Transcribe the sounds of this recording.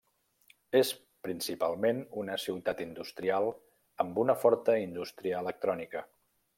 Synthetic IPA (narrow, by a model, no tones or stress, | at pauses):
es | pɾinsipalˠmenunəsiwt̪at̪ind̪ust̪ɾialˠ | əmbunəfɔɾt̪əind̪ust̪ɾiəːlək̚t̪ɾɔnikə